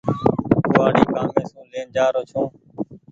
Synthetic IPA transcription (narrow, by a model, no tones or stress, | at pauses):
kuːaːɽiːkaːmẽːsõːleːnd͡ʒaːɾoːt͡ʃʰõː